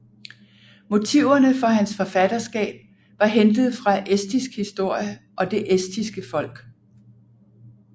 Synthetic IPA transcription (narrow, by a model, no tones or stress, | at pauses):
mo̝t͡sʰiʊ̰ɐnəfɒ̽ɦænsfɒ̽fæd̥ɐsɡ̥ɛ̰ːb̥̚ | ʋɑ̈ɦend̥ð̞̩ˠfʁɑ̈ʔesd̥isɡ̥hisd̥o̝ɐ̰jəʔɒ̽d̥e̝ʔesd̥isɡ̥əfɒ̽l̰ɡ̥